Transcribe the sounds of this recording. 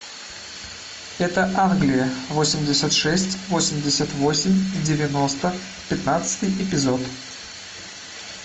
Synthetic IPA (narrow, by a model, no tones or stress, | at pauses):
ɛt̪əʔanɡlʲɪjəvosʲɪmʲdʲɪsʲət̪ʂɛsʲtʲvosʲɪmʲdʲɪsʲət̪vosʲɪmʲdʲɪvʲɪno̞st̪ə | pʲɪt̪nat̪sɨ̥t̪ɨjɪpʲɪzo̞t̪